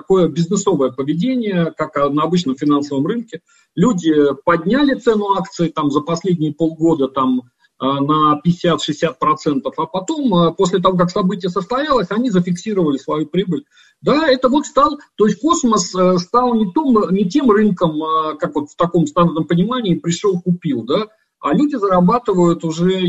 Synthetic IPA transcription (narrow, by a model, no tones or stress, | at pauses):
tɐko̞jəbʲɪznɨso̞vəjəpəvʲɪdʲenʲɪjəkaknəɐbɨt͡ɕnəmfʲɪnansəvəmrɨnkʲɪ | lʲudʲɪpɐdʲnʲælʲɪt̪sɛnʊakt̪sɨɪt̪amzəpɐsʲlʲedʲnʲɪjəpo̞lˠɡo̞d̪ət̪am | ənəpʲɪɪsʲat̪ʂɨɪsʲːat̪̚pɾɐt̪sɛnt̪əfɐpɐt̪o̞məpo̞sʲlʲɪt̪ɐvo̞k̬aksɐbɨtʲɪjəsəst̪ɐjalˠəsʲɐnʲizəfʲɪksʲiɾəvəlʲɪsvɐjupɾʲibəlʲ | d̪aɛt̪əvo̞t̪st̪ɑlˠt̪o̞ɪsʲt̚ʲko̞sməsəst̪ɑlˠnʲɪt̪o̞mnʲɪt̬ʲe̞mrɨnkəmkakvo̞t̪ft̪ɐko̞mst̪anərnəmpənʲɪmanʲɪːpɾʲɪʂolˠkʊpʲilˠd̪a | a̰lʲudʲɪzəɾɐbat̪ɨvəjʊt̪ʊʐɛ